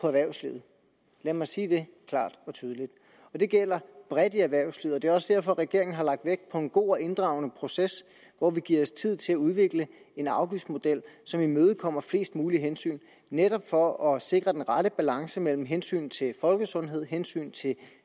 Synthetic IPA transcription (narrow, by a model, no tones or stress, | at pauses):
pʰɒ̽æʋæɐʊsliʊð̩ˠ | læɐmɑ̈ɪsiːd̥e̝kʰl̥ɑ̰̈ːd̥ɒ̽t͡sʰyːð̞ˠəlid̥ | ɒ̽d̥e̝ɡ̥el̰ɐb̥ʁɛd̥iæʋæɐ̰ʊslið̩ˠɒd̥e̝ɒ̽səd̥eɐ̰fɒ̽ʁɛɡ̥e̝ɐe̝ŋn̩ɦɑ̈lɑ̈ɡ̥̚d̥ʋeɡ̥̚pʰɒ̽e̝nɡ̥o̝̰ːɒʔe̝nd̥ʁɑ̈ʊnəpʰʁo̝ses | ʋɒʋiɡ̥iɐ̰ɒst͡sʰið̞̰ˠt͡sʰe̝læuð̞ˠʋe̝ɡ̥lə | e̝nɑ̈ʊɡ̥ifd̥mo̝d̥el̰sɒ̽mimøːð̞̩ˠkʰɒ̽m̰ɐfle̝̰ːsd̥muːliɦensy̰ːn | neɾɒ̽b̥fɒ̽ɒ̽se̝ɡ̥ʁɐd̥enʁɑ̈ɾəb̥ælɑ̈ŋsəmel̰m̩ɦensy̰ːnt͡sʰe̝fɒ̽lɡ̥əsɔ̽nɦe̝ð̞̰ˠɦensy̰ːnt͡sʰe̝